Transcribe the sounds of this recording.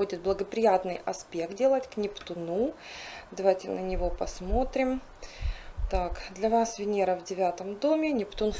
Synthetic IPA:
odʲɪt̪̚blˠəɡəpɾʲɪjat̪nɨjɐspʲe̞k̚t̪̚dʲe̞lˠətʲknʲɪpt̪ʊnud̪ɐvajtʲɪnənʲɪvo̞pɐsmo̞t̪ɾʲɪm | t̪akd̪lʲɐvasvʲɪnʲeɾəvdʲɪvʲat̪əmd̪o̞mʲɪnʲɪpt̪un

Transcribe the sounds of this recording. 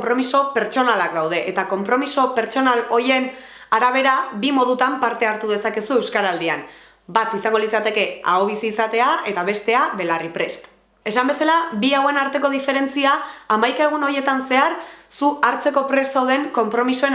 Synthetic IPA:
mpɾo̞miso̞pe̞ɾt͡ʃo̞nalak̚d̪awð̞e̞ʔet̪ako̞mpɾo̞miso̞pe̞ɾt͡so̞nalo̞je̞n | aɾaβ̞e̞ɾabimo̞ð̞ut̪ampaɾt̪e̞aɾt̪uð̞e̞sake̞sue̞wskaɾald̪ia̰n | bat̪isaŋɡo̞lit͡sat̪e̞ke̞a̰oβ̞isiːsat̪e̞ae̞t̪aβ̞e̞st̪e̞aβe̞laripɾe̞st̪ | e̞sambe̞salabiawe̞naɾt̪e̞ko̞ðife̞ɾe̞nt͡siaːmajkae̞ɣ̞uno̞je̞t̪anse̞aɾsuaɾt͡se̞ko̞pɾe̞ssawðe̞ŋko̞mpɾo̞miso̞e

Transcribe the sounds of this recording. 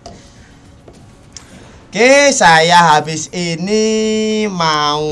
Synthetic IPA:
keesajaɦabisenima

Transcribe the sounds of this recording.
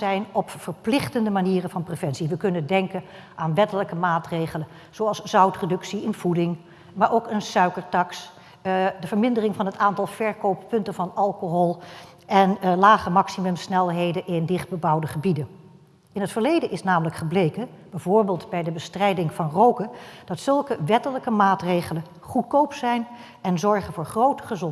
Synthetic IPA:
ɛjnɔpfəɹplɪχtəndəmaniːrənvɑnprevɛnsiʋəkɵnəndɛŋkən | ʔaːnʋɛtələkəmaːtrejχələn | z̥oɑlˠsz̥ʌwtredɵksiənv̥udɪŋ | maːɹʔowkənsœɥkəɹtɑks | dəvəɹmɪndərɪŋvɑnɦətaːntɑlˠv̥ɛɹkowppɵntənvɑnɑlˠkoɦɔlˠ | ʔɛnlaːχəmɑksimɵmsnɛlˠɦejdənʔɪndɪχd̚bəbɑwdəχəbidən | ɪnɦətfəɹlejdənʔɪsnaːmələkχəblejkə | bɛjvʊːɹbeːlˠtbɛjdəbəstrɛjdɪŋvɑnrowkəd̥ɑtsɵlˠkəʋɛtələkəmaːtrejχələn | χut̚kowpsɛjn | ɛnzɔɹχənvʊːɹχrowtə̥χəzɔ

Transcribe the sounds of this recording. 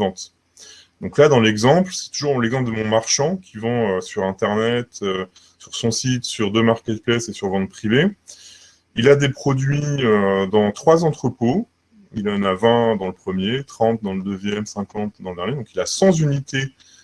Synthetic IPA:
vɑ̃t̪ | d̪ɔ̃klad̪ɑ̃lɛɡzɑ̃plsɛ̥t̪uʒuʁlɛɡzɑ̃pld̪əmɔ̃maʁʃɑ̃kʲʰivɑ̃øsyʁɛ̃t̪ɛʁnɛt̪ø | syʁsɔ̃sit̪syʁd̪ømaʁkʲɛt̪̚plɛsesyʁvɑ̃t̪̚pχive | ilad̪epχɔd̪ɥiød̪ɑ̃t̪χwazɑ̃t̪χəpo | il̃navɛ̃d̪ɑ̃ləpχəmjet̪χɑ̃t̪̚d̪ɑ̃ləd̪əzjɛmsɛ̃kɑ̃t̪d̪ɑ̃ləd̪ɛʁnjed̪ɔ̃kilasɑ̃zynit̪e

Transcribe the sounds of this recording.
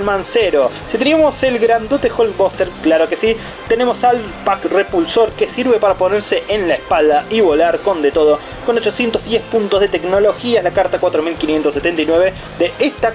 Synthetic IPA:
lmanseɾo̞ | sit̪eniamo̞se̞lɣɾand̪ot̪exolbost̪eɾklaɾokesi | t̪e̞ne̞mo̞sal | pakre̞pulso̞ɾkesiɾβe̞paɾapo̞neɾse̞ʔenlaespald̪aʔiβo̞laɾko̞nd̪e̞t̪o̞ð̞o | ko̞not͡ʃo̞sjent̪ozðjespunt̪ozðe̞t̪e̞kno̞lo̞xiaelakaɾt̪akwat̪ɾo̞milkinjent̪osːet̪e̞nt̪ajnweβe̞ | ðe̞ʔest̪a

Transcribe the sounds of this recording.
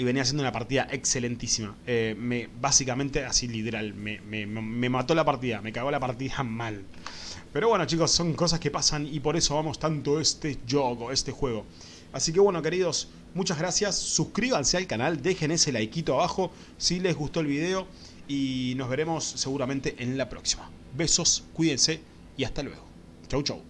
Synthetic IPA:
iβe̞nias̬enunapaɾt̪iðaʔekse̞le̞nt̪isimaemeβasikamẽnt̪e̞asilit̪eɾalmememe̞mat̪o̞lapaɾt̪̬iðame̞kaɣo̞lapaɾt̪iðamal | pe̞ɾoβweno̞t͡ʃiko̞sːo̞ŋko̞s̬aske̞pasanipo̞ɾe̞soβamo̞st̪ant̪o̞est̪eʒoɣoest̪e̞xwe̞ɣo̞ | asik̬eβwe̞no̞ke̞ɾiðo̞s | mut͡ʃazɣɾasjasːuskɾiβansealkanald̪e̞xeneselajkit̪oaβaxo̞ | sile̞zɣust̪o̞elβið̞e̞o̞ | ino̞zβe̞ɾe̞mo̞sːe̞ɣuɾamẽnt̪e̞ʔenlapɾo̞ksi̥ma | be̞so̞skwiðense̞ | iast̪alwe̞̰ɣo̞ | t͡ʃawt͡ʃaw

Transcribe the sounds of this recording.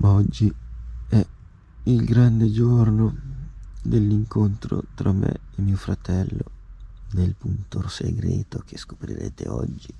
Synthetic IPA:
maɔd͡ʒːiɛ | ilɡɾand̪ed͡ʒorno | d̪elːiŋkont̪ɾo̰t̪ɾʔamːḛimiːofɾat̪ɛlːod̪elpunt̪orseɡɾeːt̪ok̟esko̥pɾḭɾḛːt̪eɔd͡ʒːi

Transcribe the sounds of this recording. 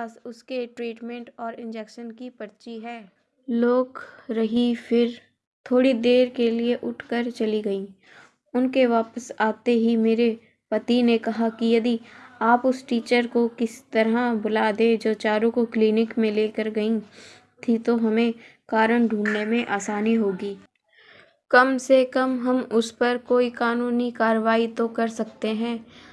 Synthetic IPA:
sʊskeʈɾiːʈmẽɳʈɔːɾɪ̃nd͡ʒɛkʃənkipɐɾt͡ʃiɦɛː | loːɡɾɐɦifʰɪɾ | t̪ʰoːɽid̪eːɾkelieʔʊʈʰkəɾt͡ʃɐliɡɐĩː | ʊnkeʋaːpəsaːt̪eɦimeːɾe | pɐt̪inekɐɦakijɐd̪iaːpʊsʈiːt͡ʃəɾkokɪst̪ɐɾɦãbʊlad̪ed͡ʒoːt͡ʃaːɾõkokliːnɪkmẽleːkəɾɡɐĩ | t̪ʰit̪oɦɐmẽkaːɾəɳɖʱũːnːemẽʔaːsaːniɦoːɡiː | kɐmsekɐmɦɐmʊspɐɾkoːikaːnuːnikaːɾəʋaːit̪okɐɾsɐk̚t̪eɦɛ̃ː

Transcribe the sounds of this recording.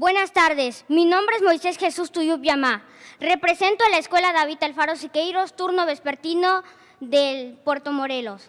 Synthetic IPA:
bwe̞nast̪aɾðesminõ̞mbɾeezmo̞jse̞sxe̞sust̪ujupjama | re̞pɾese̞nt̪oalaeskwe̞laðaβit̪alfaɾosikejɾo̞st̪uɾnoβe̞speɾt̪ino | ðelpweɾt̪o̞mo̞ɾe̞lo̞s

